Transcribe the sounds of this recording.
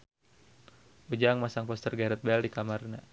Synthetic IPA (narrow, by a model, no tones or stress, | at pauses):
ud͡ʒaŋmasaŋpɔst̪ərɡaɾɛt̪̚bɛldikamarna